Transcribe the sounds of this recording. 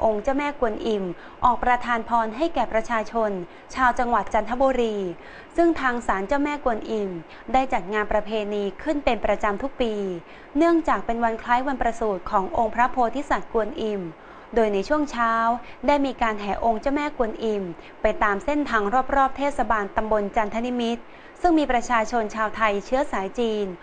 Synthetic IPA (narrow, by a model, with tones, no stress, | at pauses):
ʔo˧ŋt͡ɕa˥˩wmɛː˥˩ku˧ənʔi˧m | ʔɔː˨˩k̚pɾa˧t̪ʰaː˧npʰɔː˧nɦa˥˩jkɛː˨˩pɾa˧t͡ɕʰaː˧t͡ɕʰo˧n | t͡ɕʰaː˧wt͡ɕa˧ŋwa˨˩t̪̚t͡ɕa˧nt̪ʰa˦˥boː˧ɾiː˧ | sɯ˥˩ŋt̪ʰaː˧ŋsaː˩˦nt͡ɕa˥˩wmɛː˥˩ku˧ənʔi˧m | daː˥˩jt͡ɕa˨˩t̪̚ŋaː˧npɾa˧pʰeː˧niː˧kʰɯ˥˩npe˧npɾa˧t͡ɕa˧mt̪ʰu˦˥k̚piː˧ | nɯ˥˩əŋt͡ɕaː˨˩k̚pe˧nwa˧nkʰlaː˦˥jwa˧npɾa˧suː˨˩t̪̚kʰɔː˩˦ŋʔo˧ŋpʰɾa˦˥pʰoː˧t̪ʰi˦˥˩sa˨˩t̪̚ku˧ənʔi˧m | doː˧jna˧jt͡ɕʰu˥˩əŋt͡ɕʰaː˥˦˥wdaː˥˩jmiː˧kaː˧nɦɛː˩˦ʔo˧ŋt͡ɕa˥˩wmɛː˥˩ku˧ənʔi˧m | pa˧jt̪aː˧mse˥˩nt̪ʰaː˧˩ŋɾɔː˥˩p̚ɾɔː˥˩p̚t̪ʰeː˥˩t̪̚sa˧baː˧nt̪a˧mbo˧nt͡ɕa˧nt̪ʰa˧˥ni˦˥mi˦˥t̪̚ | sɯ˥˩ŋmiː˧pɾa˧t͡ɕʰaː˧t͡ɕʰo˧nt͡ɕʰaː˧wt̪ʰa˧jt͡ɕʰɯ˦˥ɐsaː˩˦jt͡ɕiː˧n